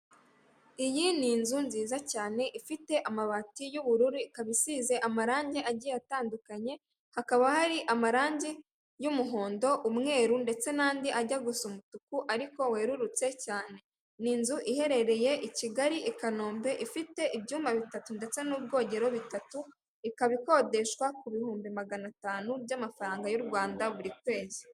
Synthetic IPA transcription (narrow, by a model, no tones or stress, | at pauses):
ijiniːnzunziːzacaːne̞ʔifite̞ʔamaβatijuβuɾuɾikaβisiːze̞ʔamaɾaːɲɟeʔaɟijataːndukaɲe̞ | hakaβahaɾiʔamaɾaːɲɟe | jumuɦo̞ːndo̞ʔumŋe̞ːɾunde̞t͡se̞naːndiʔaɟaɡusumutukuʔaɾiko̞we̞ːɾuɾut͡se̞caːne̞ | niːnzuʔihe̞ɾe̞ɾe̞je̞ʔiciɡaɾiʔikanoːmbe̞ʔifite̞ʔibjuːmbaβitatunde̞t͡se̞nuːb̚ɡo̞ːɲɟe̞ɾo̞βitatu | ikaβiko̞ːde̞ʃkwakuβihuːmbimaɡanataːnubjamafaɾaːŋɡajuɾɡwaːndaβuɾikwe̞ːzi